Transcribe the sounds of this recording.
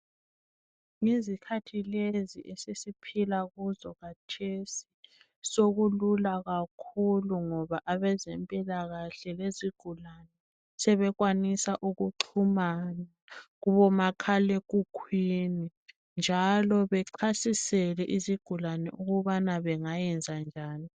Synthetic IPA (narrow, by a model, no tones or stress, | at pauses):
ŋizikʰatʰileziʔesisipʰilaɣuzɔɣatʰesi̥ | soɣululaɣakʰuluŋɔβaʔaβɛzɛmpʼilaɣaɬɛleziɡ̥ʱulanɛ | sɛβɛɣwanisaʔuɣuǃʰumana | ɣuβɔmakʰalekʼukʰwini | nd͡ʒʱalɔβɛǀʰasisɛlɛʔiziɡ̥ʱulanɛ̰ʔuɣuβanaβɛŋajɛnd͡zʱand͡ʒʱaːni